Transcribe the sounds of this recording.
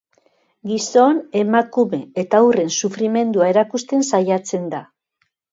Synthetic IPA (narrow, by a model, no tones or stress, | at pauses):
ɡiso̞ne̞makume̞et̪aure̞nsufɾime̞nd̪uae̞ɾakust̪e̞nsajat͡se̞nd̪a